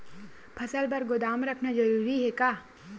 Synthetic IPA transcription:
pʰɐsəlbɐɾɡʊd̪aːmɾɐkʰnad͡ʒɐɾuːɾiɦɛkaː

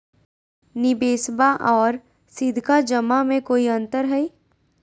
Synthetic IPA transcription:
nɪbeːsbaʔɔːɾ | sɪd̪ʱkad͡ʒəmamẽkoːiɐ̃nt̪əɾɦɛi

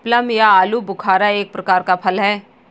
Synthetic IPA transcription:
pləmjaaːlubʊkʰaːɾaeːk̚pɾɐkaːɾkapʰɐlɦɛː

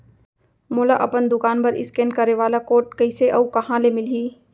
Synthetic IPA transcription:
moːlaʔɐpənd̪ʊkaːnpɐɾɪ̰skẽnkɐɾeʋaːlakoːʈ̚kɐɪseʔɐukɐɦãlemɪliː

